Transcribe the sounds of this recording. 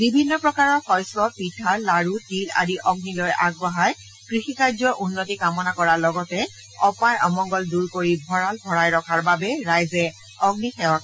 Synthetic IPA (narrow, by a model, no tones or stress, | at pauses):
bibʱinːɔpɹɔkaɹɔɹxɔjsɔpitʰaɹlaɹutila̰diʔɔɡnilɔja̰ɡ̚bɔɦaj | kɹixikad͡ʒɔʔunːɔtikamɔnakɔɹaɹlɔɡɔtɛ | ɔpaja̰mɔŋɡɔlduɹkoɹibʱɔɹalbʱɔɹajɹɔkʰaɹbabɛɹajzɛ | ɔɡnixɛwak